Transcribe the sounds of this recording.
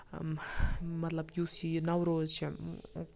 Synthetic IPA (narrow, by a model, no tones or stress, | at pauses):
mɐt̪lɐbjusinɐwɾozt͡ʃʰi